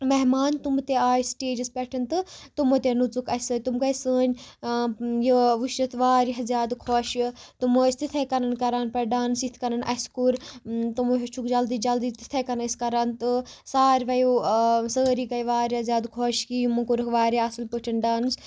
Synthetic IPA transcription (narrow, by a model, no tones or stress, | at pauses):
mɐɦmaːnt̪umt̪eaːjsʈeːd͡ʒɨspɛʈʰɐnt̪ɨt̪umot̪enut͡sukɐsəːt̪umkɐjsəːn | jiʋuʃɐt̪ʰʋaːɾiɦɐzʲjaːd̪kʰoːʃɨt̪umoːisʲt̪it̪ʰɐkɐnɐnkɐɾaːnpɐɾɖaːnɨsit̪ʰkɐnɐnʔɐ̰skuɾt̪umɦit͡ʃʰukd͡ʒɐld̪iːd͡ʒɐld̪iːt̪i̥t̪ʰɐkɐnɐskɐɾaːnt̪ɨsaːɾʋɐjusəːɾikɐjʋaːɾihɐzʲjaːd̪kʰoːʃkijumukuɾɨkʋaːɾiɐsɨlpəʈʰɐnɖaːnɨs